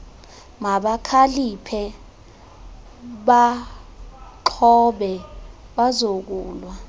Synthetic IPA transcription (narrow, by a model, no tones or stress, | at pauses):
ŋaɓakʰalipʰɛ | ɓa | ǃʰɔɓɛ | ɓazok̬uːlwa